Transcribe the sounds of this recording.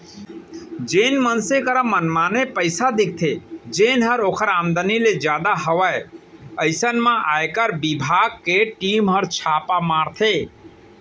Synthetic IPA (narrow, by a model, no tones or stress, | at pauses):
d͡ʒenmənsekəɾamənmanepəɪsad̪ik̚ʰt̪ʰed͡ʒenɦəɾokʰəɾamd̪əniled͡ʒjad̪aɦəʋajəɪsənmãʔajkəɾbibʱaɡ̚keʈimɦəɾt͡ʃʰapamaɾt̪ʰe